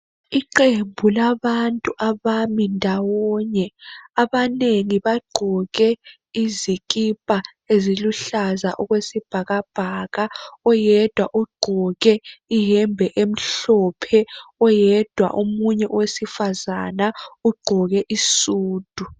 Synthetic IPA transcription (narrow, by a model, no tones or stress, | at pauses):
iǃembʱulaβantʼuʔaβamindʱawɔɲɛaβaneŋiβaɡ͡ǃʱɔɣɛ | iziɣ̬ʼipʼa | eziluɬaza̰ʔɔɣwesib̥ʱaɣab̥ʱaːɣaɔjɛd̥ʱwaʔuɡ͡ǃ̥ʱɔɣɛiɦɛmbʱɛʔem̩ɬɔpʰɛɔjɛd̥ʱwa̰ʔumuɲɛʔwesifazanauɡ͡ǃʱɔɣɛʔisuːd̥ʱu